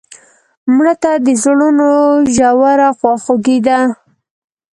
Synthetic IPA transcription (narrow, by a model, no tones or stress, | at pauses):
mɽət̪ad̪əzɽunoʒawaɾaxwɑxoɡid̪a